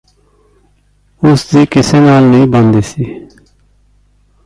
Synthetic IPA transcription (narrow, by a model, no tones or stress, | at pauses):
ʊsd̪iːkɪseːnaːlnĩːbə̃nd̪eːsiː